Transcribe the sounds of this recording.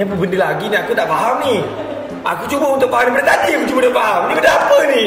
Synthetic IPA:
ɲap̬əbəndilaɡiniakut̪aʔfaɦamni | ʔa̰kut͡ʃubaunt̪uʔ̚faɦamnibədadadimt͡ʃubədafaɦamnipədapəni

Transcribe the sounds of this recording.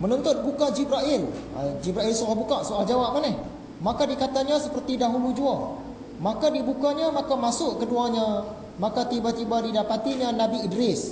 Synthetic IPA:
mənɔ̃nt̪ʊt̪̚bukad͡ʒibɾaʔɪla̰d͡ʒibɾaɪlsolahbukaʔsoald͡ʒawap̚manɛh | makadikat̪aɲãsəpərt̪idaɦulud͡ʒua | makadibukaɲãmakamasʊʔkəduaɲã | makat̪ibat̪ibadidapat̪iɲãnãbiːdɾɪs

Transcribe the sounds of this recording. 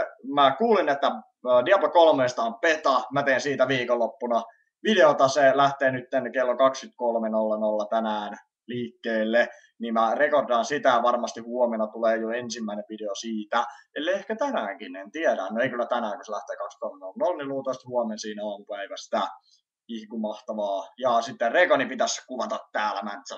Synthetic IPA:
mækuːlinet̪ːæː | diɑpːokolmest̪ɑːmpet̪ɑmæt̪eːnsiːt̪æʋiːkolːopːunɑ | ʋideot̪ɑselæht̪eːnyt̪ːenkelːokɑkskyt̪kolmenolːɑnolːɑt̪ænæːn | liːkːeːlːe | nimærekordɑnsit̪æjɑʋɑrmɑst̪ihuɔmenɑt̪uleːjoensimːæineʋʋideosiːt̪æelːeehkæt̪ænæːŋkinent̪iæɾænoeikylːæt̪ænæːŋkuselæht̪eːkɑkst̪kolmenolːnolniluːt̪oist̪huɔmensiːnɑːmupæiʋæst̪æ | ihkumɑht̪ɑʋɑːjɑːsit̪ːerrekonipit̪æskuʋɑt̪ɑt̪t̪ːæːlæmæ̰nt̪sæ

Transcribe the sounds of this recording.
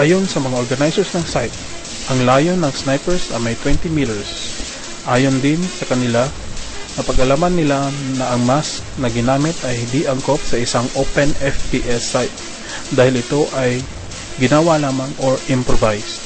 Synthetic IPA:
ʔaːjonsɐmɐŋaʔoɹɡɐnajsɛɹsnɐŋsajt̪̚ | ʔɐŋlaːjonːɐŋsnajpɛɹsnɐ̰mɐjt̪wɛnt̪imiːlɛɹs | ʔaːjond̪ɪnsɐkɐnɪla | ŋɐpɐɡɐlaːmanːɪlanɐʔɐŋmas | nɐɡɪnaːmɪt̪ɐjhɪnd̪iʔɐŋkop̚sɐʔɪsaŋʔopɛnɛfpiʔɛsːajt̪̚ | d̪aːhɪlɪt̪o̞ʔɐj | ɡɪnaːwalaːmɐŋoɹʔɪmpɹovajs

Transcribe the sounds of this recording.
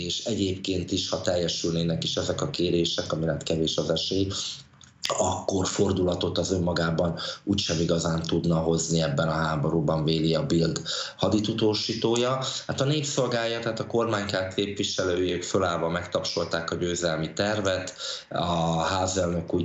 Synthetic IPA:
eːʃɛɟeːpkeːnt̪iʃhɒt̪ɛjːɛʃylneːnɛkiʃɛzɛkɒkeːɾeːʃɛkɒmilɛt̪kɛveːʃɒzɛʃeːj | ɒkːo̞rfo̞rd̪ulɒt̪o̞t̪ɒzø̞mːɒɡaːbɒnuːcʃɛmiɡɒzaːnt̪ud̪nɒɦo̞zniɛbːɛnɒɦaːbo̞ɾubɒɱveːliɒbild̪hɒd̪it̪ut̪oːʃiːt̪oːjɒhat̪ɒneːpso̞lɡaːjɒt̪ɛɦaːt̪ɒko̞rmaːɲkaːt̪keːpviʃɛløːjøːkfølaːlvɒmɛkt̪ɒpʃo̞lt̪aːkɒɟøːzɛlmit̪ɛrvɛt̪ɒɦaːzɛlnø̞kuː

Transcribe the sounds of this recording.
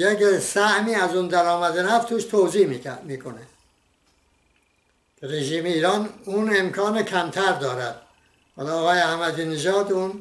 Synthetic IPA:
jeksæhmiːæzuːnd̪æɾɒːmæd̪enæft̪ʰuːʃt̪ʰoːziːmimiːkʰone | ɾeʒiːmeiːɾɒːnune̞mkʰɒːnecʰæmt̪ʰæɾd̪ɒːɾæd̪̥̚ | hɒːlɒːɣɒːjeæhmæd̪iːneʒɒːd̪uːn

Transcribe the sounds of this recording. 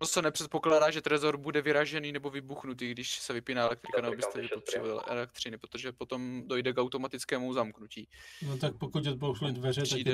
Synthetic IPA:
sɛnɛpr̥ɛt̪̚po̞klaːdaːʒɛt̪ɾɛzo̞ɾbudɛvɪɾaʒɛniːnɛbo̞vɪbuxnut̪̬iːɡdɪʃsɛvɪpɪnaːɛlɛk̚t̪ɾɪkanɛbobɪsɛvɪot̪r̥ɛbo̰ʔɛ̰lɛk̚t̪r̝̥ɪnɪpɾo̞t̪o̞ʒɛpo̞t̪o̞mdo̞jdɛkawt̪o̞mat̪ɪt͡skɛːmuzamknuciːnot̪ak̚pokucod̪̚bowʃulɪdvɛrɛt̪aiɛ

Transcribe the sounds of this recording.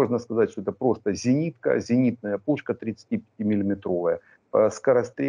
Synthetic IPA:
oʐnəskɐzatʲʂt̪oɛt̪əpɾo̞st̪əzʲɪnʲit̪kə̰zʲɪnʲit̪̚nəjəpuʂkət̪ɾʲɪt̪sɨ̥tʲipʲɪ̥tʲimʲɪlʲɪmʲɪt̪ɾo̞vəjə | skəɾɐst̪ɾʲe

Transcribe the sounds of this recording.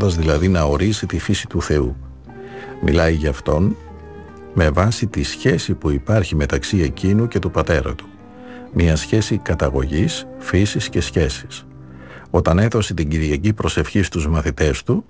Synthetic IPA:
d̪ɐzðilɐðinɐo̞ɾisit̪ifisit̪uθe̞u | mḭlɐiʝɐːft̪o̞n | me̞vɐsit̪isçe̞sipuipɐɾçime̞t̪ɐksie̞cinuce̞t̪upɐt̪e̞ɾɐ̰t̪u̥ | miɐsçe̞sikɐt̪ɐɣo̞̰ʝisfisisce̞sçe̞si̥s | o̞t̪ɐne̞θo̞sit̪iɲɟiɾʝɐcipɾo̞se̞fçist̪uzmɐθit̪e̞st̪u

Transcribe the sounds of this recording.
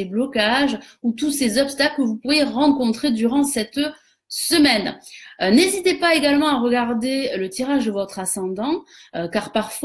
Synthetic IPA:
eblɔkaʒut̪usezɔpst̪aklkəvupuʁjeʁɑ̃kɔ̃t̪χed̪yʁɑ̃sɛt̪ | səmɛnnezit̪epaeɡalmɑ̃aʁəɡaʁd̪elət̪iʁaʒd̪əvɔt̪χasɑ̃d̪ɑ̃økaʁpaʁfw

